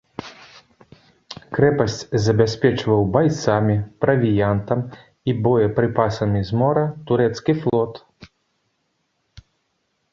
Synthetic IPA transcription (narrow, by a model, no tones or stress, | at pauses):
kɾɛpɐsʲt͡sʲzɐbʲasʲpʲɛt͡ʂvɐwbajt̪samʲipɾɐvʲijant̪ɐm | ibɔjɐpɾɨpasɐmʲizmɔɾɐt̪uɾɛt̪skʲiflˠɔt̪